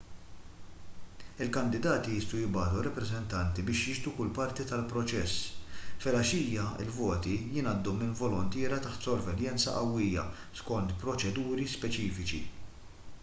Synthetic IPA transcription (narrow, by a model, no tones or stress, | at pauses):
ɪlkɐnd̪ɪd̪ɐːt̪iɪst̪ujɪbɐːt̪uɾɐpːɾɛzɛnt̪ɐnt̪ibɪːʃjɪʃt̪ukʊlpɐɾt̪it̪ɐlpɾɔt͡ʃɛsːfɛlɐʃiːjɐɪ̰lvɔːt̪ijɪnɐd̪ːumɪnvɔlɔnt̪ɪːɾɐt̪ɐħt̪sɔɾvɛljɛnt͡sɐ̰ʔɐwːɪjɐ̰ | skɔnt̪pɾɔt͡ʃɛd̪uːɾispɛt͡ʃiːfɪt͡ʃḭ